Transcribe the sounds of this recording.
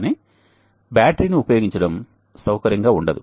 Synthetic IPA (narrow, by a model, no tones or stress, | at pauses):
ni | bjaːʈɾiniupɐjo̞ːɡiɲt͡ʃɐɽɐm | sɐwkɐɾjɐŋɡaːuɳɖɐd̪u